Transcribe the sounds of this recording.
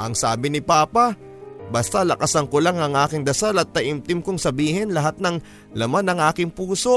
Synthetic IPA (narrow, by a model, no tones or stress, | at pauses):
ʔɐŋsaːbɪnɪpaːpɐ | bɐst̪alɐkasɐŋkolaŋɐŋʔaːkɪŋd̪ɐsalɐt̪̚ːɐʔɪmt̪ɪmkʊŋsɐbiːhɪnlɐɦat̪̚nɐŋ | lɐmanɐŋʔaːkɪŋpuːso̞